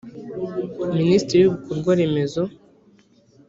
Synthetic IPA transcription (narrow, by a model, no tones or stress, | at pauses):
ministɾiɾijuukuɾɡwaɾeme̞zo